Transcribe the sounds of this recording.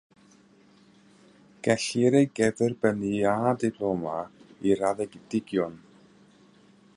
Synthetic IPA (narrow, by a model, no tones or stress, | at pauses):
ɡ̥ɛɬɪɾejɡɛðərbəniadɪpʰlˠɔmaiɾaðɛɡɪd̥ɪɡjɔn